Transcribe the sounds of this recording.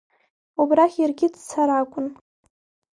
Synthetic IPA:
ubraχʲirɡʲɪdt͡sʰaɾakʷʼʊn

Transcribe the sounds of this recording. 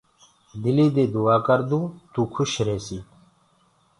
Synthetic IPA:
d̪iliːd̪eːd̪uaːkəɾd̪ũːt̪uːkʰʊɕɾeːsiː

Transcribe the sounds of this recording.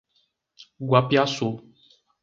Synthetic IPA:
ɡwapiaso

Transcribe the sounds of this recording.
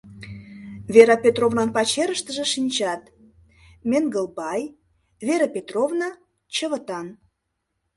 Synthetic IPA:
veɾɑpʲet̪rovnɑnpɑt͡ɕeɾəʃt̪əʒĕʃinʲt͡ɕɑt̪ | mʲenɡəlˠbɑj | veɾɑpʲet̪rovnɑ | t͡ɕəβə̆t̪ɑn

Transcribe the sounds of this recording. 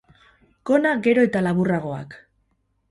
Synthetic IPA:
ko̞naɡe̞ɾo̞e̞t̪alaβuraɣ̞o̞a̰k

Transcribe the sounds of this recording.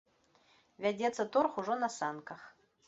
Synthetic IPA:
vʲad͡zʲɛt̪sːɐt̪ɔrxuʐɔnɐsankɐx

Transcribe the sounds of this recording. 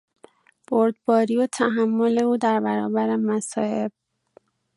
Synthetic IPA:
b̥oɾd̪̚bɒːɾiːot̪ʰæɦæmːole̞uːd̪æɾbæɾɒːbæɾemæsɒːhe̞b̥̚

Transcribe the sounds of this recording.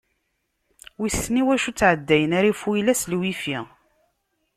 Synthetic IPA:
wisːniwæʃut͡sːʕəd̪ːæjənæɾifujlæslwifi

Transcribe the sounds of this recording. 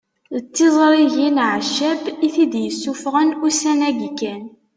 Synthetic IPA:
ət͡sːizˤɾˤiʝinʕəʃːæbiθid̪jəsːufʁənusænæɡkːæn

